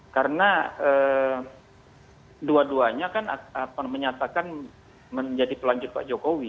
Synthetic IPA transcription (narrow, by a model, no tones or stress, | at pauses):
kaɾənaə | duaduaɲakanaapaməɲat̪akan | məɲd͡ʒadipəlaɲd͡ʒʊt̪̚pa̰d͡ʒokowi